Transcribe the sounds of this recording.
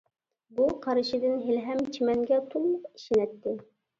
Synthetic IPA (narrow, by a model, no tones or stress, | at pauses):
buqʰɑɾɨʃɪd̪ɪnɦelɦɛmt͡ʃʰimɛŋɡʲɛt̪ʰulˠmʊqiʃinɛt̪ːɪ